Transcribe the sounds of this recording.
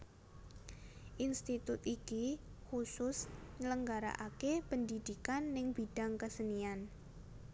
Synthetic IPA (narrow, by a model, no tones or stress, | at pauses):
ʔinst̪it̪ʊt̪ikihusʊsɲələŋɡaɾa̰ʔakepəndid̪ikanːɪŋb̥id̥a̤ŋkəsənian